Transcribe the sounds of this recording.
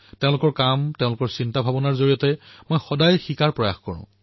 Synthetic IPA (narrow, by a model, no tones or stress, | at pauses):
tẽʊ̃lʊkɔɹkamtẽʊ̃lʊkɔɹsintabʱabɔnaɹzoɹijɔtɛmojxɔdajxikaɹpɹɔja̰xkɔɹʊ̰̃